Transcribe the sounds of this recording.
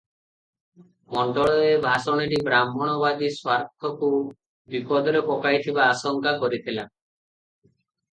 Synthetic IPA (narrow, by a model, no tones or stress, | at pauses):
mɔɳɖɔɭɔebʱasɔɽ̃eʈibɾamʱɔɽ̃ɔbad̪iswaɾt̪ʰɔku | bipɔd̪ɔɾepɔkajt̪ʰibaːsɔŋkakɔɾit̪ʰila